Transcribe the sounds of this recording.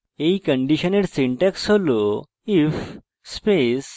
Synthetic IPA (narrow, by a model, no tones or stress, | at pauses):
eikəɳɖiɕəneɽsiɳʈɛksɦolo | if | spes